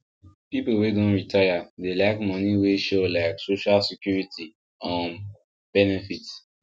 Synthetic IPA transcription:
pipowedõnɹitʰajadelaɪkmɔ̃niweʃolaɪksoʃalsikjuɹitʰi | ɔ̃ | b̥ɛnɛfit

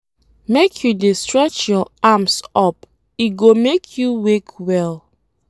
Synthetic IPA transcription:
mekʰjudestɹɛt͡ʃjɔamsɔp̚ | iɡomekʰjuwekʰwɛl

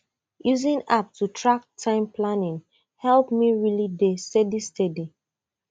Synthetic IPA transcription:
juzĩnap̚tʰutʰɹak̚tʰãɪ̃mplanĩn | hɛlpmiɹilidestɛdistʰɛdi

